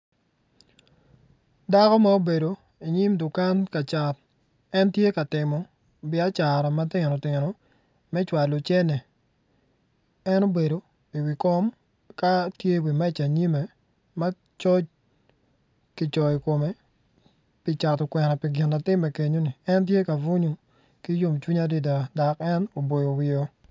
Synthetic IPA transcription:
da˦kɔ˦mao˦be˨do˨ | i˨ɲi˦mdʊ˨ka˦nka˨t͡ʃa˨t | ɛ˦ntje˦ka˨tɪ˨mɔ˨ | bɪ˦a˦t͡ʃa˨ɾɔ˨ma˦tɪ˦ŋno˨tɪ˨ŋɾɔ˨ | mɛ˦t͡ʃwa˨lo˨t͡ʃɛ˦nɛ˨ | ɛ˦no˦be˨do˨ | i˨wi˨kɔ˦m | ka˦tje˦wi˨mɛ˦t͡ʃa˨ɲi˦me˨ | ma˦ | t͡ʃɔ˦t͡ʃ | ki˨t͡ʃɔ˨i˨ko˨me˨ | pi˨t͡ʃa˨tɔ˨kwɛ˨nɔ˨pi˨ɡɪ˨nːa˨tɪ˦mːɛ˨ke˨ɲo˦ni˨ɛ˦ntje˦ka˨vu˦ɲo˨ | ki˦jo˦mt͡ʃu˦ɲa˦di˦d̬a˨da˨kɛ˦no˨bo˨jo˨wɪ˨o˦

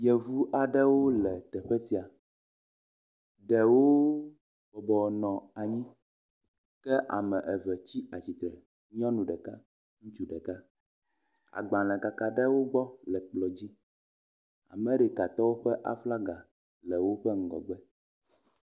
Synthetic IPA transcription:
jɛ˨vu˦ʔa˨ɖɛ˦wo˦lɛ˨t̪ɛ˨ɸɛ˦si˦a˨ | ɖɛ˨wo˦ | bɔ˨bɔ˨nɔ̃˨a˨ɲĩ˦ | kɛ˦ʔa̰˨mɛ̃˨ʔɛ˨vɛ˨t͡ɕi˦a˨t͡ɕi˨t̪ɾɛ˨ | ɲ˦ɔ̃˦nũ˨ɖɛ˨ka˦ | ŋũ˦t͡ʃu˦ɖɛ˨ka˦ | a̰˨ɡ͡bã˨lɛ̃˨ka˨ka˨ɖɛ˦wo˦ɡ͡bɔ˦lɛ˨k͡plɔ˨d͡ʑi˦ | a̰˨mɛ̃˦ɖɛ˨ka˨t̪ɔ˦wo˦ɸɛ˦ʔa̰˨fla˦ɡa˨ | lɛ˨wo˦ɸɛ˦ŋ̩˨ɡɔ̰˨ɡ͡bɛ˦

